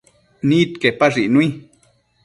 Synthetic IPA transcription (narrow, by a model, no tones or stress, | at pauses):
nit̪kepaʐiʔnui